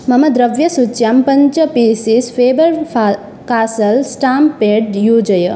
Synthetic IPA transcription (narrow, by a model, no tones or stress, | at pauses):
mɐmɐd̪ɾɐʋjɐsut͡ʃjaːmpɐɲt͡ʃɐpiːsisfʰeːbəɾa | kaːsəlsʈaːmpeɖjuːd͡ʒəjə